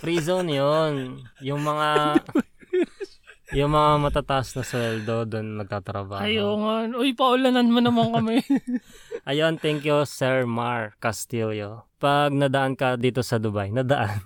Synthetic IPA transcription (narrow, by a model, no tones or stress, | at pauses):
pɾiːzonjonjʊŋmɐŋa | jʊŋmɐŋamɐt̪aːt̪ɐʔasnɐswɛld̪o̞d̪onmɐɡ̚t̪at̪ɾɐbaːɐjoŋɐnʔojpɐʔʊlɐnɐnmɐnɐmaŋkɐmɛ | ʔɐjont̪ɛŋkjusɛɹmaɹkɐst̪ojopɐɡ̚nɐd̪ɐʔankɐd̪iːt̪osɐd̪ʊbajnɐd̪ɐʔan